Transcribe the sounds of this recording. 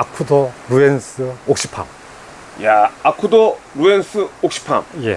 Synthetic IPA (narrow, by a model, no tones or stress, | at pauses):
akʰudoɾuensʰɯok̚ɕ͈i̥pʰa̰m | jaːkʰudoɾuensʰɯok̚ɕ͈ʰi̥pʰa̰mjḛ